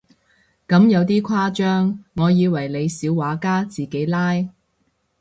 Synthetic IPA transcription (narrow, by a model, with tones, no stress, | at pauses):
kɐ˨˧˥mjɐ˨˧wt̪iː˥kʷʰaː˥t͡ʃœː˥ŋːɔː˨˧jiː˨˧wɐ˨˩jle˨˧jsiː˨˥wːaː˨˥kaː˥t͡siː˨ke˨˥jlaː˥j